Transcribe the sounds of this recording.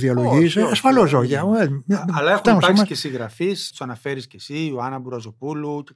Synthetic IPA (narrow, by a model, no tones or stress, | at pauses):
ðiɐlo̞ʝisɐsfɐlozoʝɐeɐlɐefxoɐmspɐɾksikesĩɣɾɐfist̪u̥sɐnɐfeɾiscesiuɐnɐbuɾɐzopulu